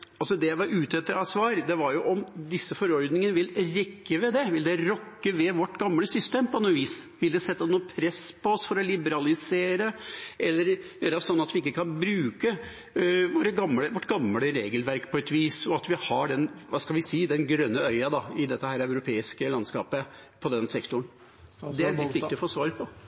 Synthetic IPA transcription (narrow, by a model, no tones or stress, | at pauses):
ɑlsɔd̪ɛjæɪʋɑɾʉːt̪ɛt̪ːəɾɑsʋɑːɾd̪ɛʋɑɾjʊʔɔmd̪ɪsːəfɔɾɔɾd̪nɪŋənəʋɪlɾɛkːəʋɛd̪ɛʋɪld̪ɛɾɔkːəʋɛʋɔʈːɡɑmːləsʏst̪eːmpɔnuːʋiːsʋɪld̪ɛsɛt̪ːɑnuːəpʰɾɛspʰɔɔsfɔɾɔlɪbəɾɑlɪseːɾəʔɛlːəɾjøːɾɑsɔnːɑt̪ʋɪɪkːəkʰɑnbɾʉːkə | ʋoːɾəɡɑmːləʋɔʈːɡɑmːləɾeːɡəlʋæɾkpʰɔɛt̪ʋiːsɔɑt̪ʋɪhɑɖɛnʋɑskɑlʋɪsiːd̪ɛnɡɾœnːəœʏɑd̪ɑɪd̪ɛt̪ːəhæːɾœʉɾʊpʰeːɪskəlɑnskɑ̰ːpə | pʰɔd̪ɛnsɛkt̪ʊɳ̩ | d̪ɛæɾlɪt̪ʋɪkkt̪ɪɔfoːsʋɑːɾəpʰɔ